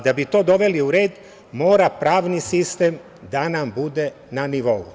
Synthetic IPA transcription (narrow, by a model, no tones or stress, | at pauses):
d̪abit̪o̞ːd̪o̞ʋe̞liuɾeːd̪ | mo̞ːɾapɾaːʋnisist̪e̞m | d̪anambud̪e̞ | naniʋo̞ṵ